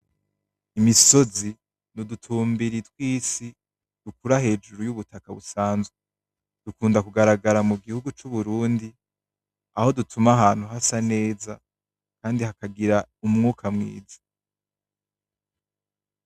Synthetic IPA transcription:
imiso̞zi | nudutʰuːmbiɾitwiːsi | d̥ukuɾahe̞ːd͡ʒuɾujuβutakaβusaːnzwe | d̥ukuːndakuɡaɾaɡaɾamuɡihuɡut͡ʃuβuɾuːndi | aho̞dutʰumaɦaːn̥huɦasane̞ːza | kaːndihakaɡiɾaumŋuːkʰamŋḭːzḁ

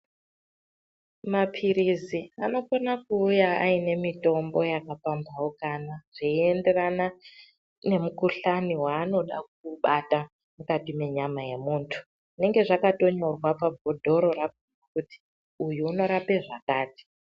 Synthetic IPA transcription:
mapʰiɾiziano̞konakuːjaa̰ine̞mito̞mbo̞jakapambawokanaʐ̥iiende̞rana | ne̞mukuɬaniwaːno̞ɗa̰k̚uɓata | mukatime̞ɲamaje̞muːntʰu̥ | ʐine̞ŋɡe̞ʐakato̞ɲo̞rwapabʱo̞dʱo̞ɾo̞ɾak̚uakuti̥ | ujuːno̞ɾape̞ʐakaːti̥

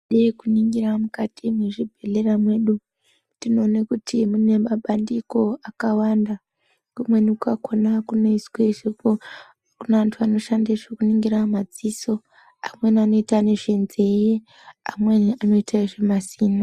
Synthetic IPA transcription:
ɗeikuniŋɡiramukatʰimweʐibʱele̞ramwe̞ːɗu | ndino̞ːnakutʰimune̞maɓandiko̞akawanda | ɡumwe̞nikukakonakuno̞isweiʐepo | kunaantʰuano̞ʃandaʐekuniŋɡiɾamad͡ziso̞ | amwe̞niano̞itane̞ʐenzeje | amweniano̞itaiʐemasiːna

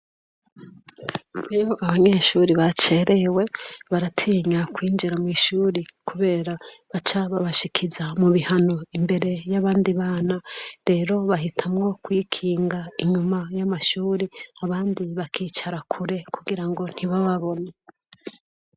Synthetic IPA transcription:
ejoʔaβaɲe̞ːʃuɾiβat͡ʃe̞ɾʔewe̞βaɾatʰiːɲakwiːnd͡ʒiɾamwiːʃuːɾikʰuβe̞ːɾaβat͡ʃaβaβaʃikʰizamuβihano̞imbe̞ɾe̞jaβaːndiβaːnaɾe̞ːɾo̞βaɦitʰamŋo̞kwikʰiːŋɡaiɲumajamaʃuːɾiaβaːndiβakiːt͡ʃaɾakʰuɾe̞kuɡiɾaŋɡo̞n̥hiβaβaβo̞ne

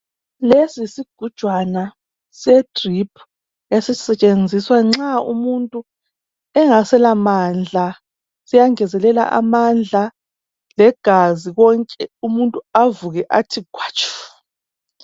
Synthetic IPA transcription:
lesisiɡ̥ʱud̥ʒ̥ʱwana | sɛtʼripʰ | esisɛt͡ʃʼend͡zʱiswaŋ͡ǁaṵmuntʼu | ɛŋasɛlamaːnd͡ɮʱa | sijaŋɛzɛlɛla̰ʔa̰mand͡ɮʱa | lɛɡ̥ʱaziɣɔŋkʼɛumuntʼuavuɣɛʔatʰiɡ̥ʰʱwat͡ʃʰʼɔ̥

